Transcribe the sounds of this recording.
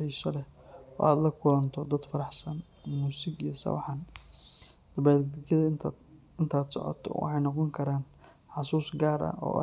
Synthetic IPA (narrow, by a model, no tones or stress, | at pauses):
ɛjsɔlɛɔ̰ːaːd̪lɐkʰʊlɐnt̪ʰɔd̪ɐd̪fɐɾɑħsɐn | muːsɪɡijɞsɐ̰wɑ̰ħɐn | d̪̥ɐbaːjɐð | ɪnt̪ʰaːd̪sɔ̰ʕɔ̰t̪ʰɔ̰wʔɑ̰ħɑjnɔqɔŋkʰɐɾaːn | ħɑsuːsɡaːɾɐ̰ʔɔ̰ːʔ